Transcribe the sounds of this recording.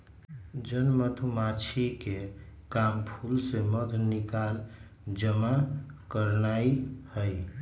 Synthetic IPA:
d͡ʒənmət̪ʰumat͡ʃʰikekampʰulseməd̪ʱnikal | d͡ʒəmakəɾnaihə

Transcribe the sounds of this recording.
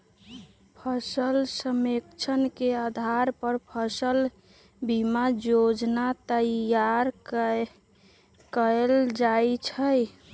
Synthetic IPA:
pʰəsəlsəmekt͡ʃʰənkead̪ʱaɾpəɾpʰəsəl | bimajod͡ʒnat̪əjaɾ | kəld͡ʒajt͡ʃʰəj

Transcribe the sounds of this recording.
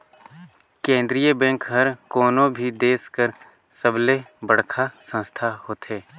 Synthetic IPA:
kẽːnd̪ɾijəbɛ̃ŋkɦɐɾkoːnõbʱid̪eːskəɾ | səblebəɽ̤kʰasə̃nst̪ʰahoːt̪ɦeː

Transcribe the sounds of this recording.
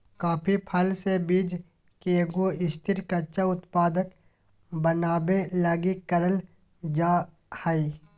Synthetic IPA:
kaːpʰipʰɐlsebiːd͡ʒ | keɡoɪst̪ɪɾkət͡ʃaʊt̪paːd̪ək | bənaːbelaːɡikəɾəl | d͡ʒaː | həiː

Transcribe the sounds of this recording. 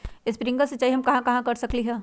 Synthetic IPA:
ɪspɾɪ̃ŋɡəɾset͡ʃaːiɦɐmkɐɦãkɐɦãkɐɾsɐkliɦɛː

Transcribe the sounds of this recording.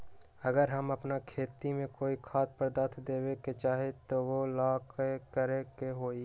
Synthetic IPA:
ɐɡəɾɦɐmɐpnakʰeːt̪imẽkoːikʰaːt̪̚pəɾd̪at̪ʰd̪eːweket͡ʃaːɦet̪oʋolaːkkəɾekeɦoːi

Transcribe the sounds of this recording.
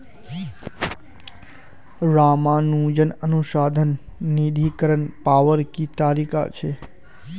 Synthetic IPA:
ɾamãnũd͡ʒənənuʃad̪ʱənː | id̪ʱikəɾənpaʋəɾkit̪aɾika̰t͡ʃʰe

